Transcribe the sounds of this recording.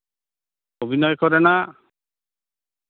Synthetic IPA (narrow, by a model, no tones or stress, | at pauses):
obʱinɔjkɔɾɛna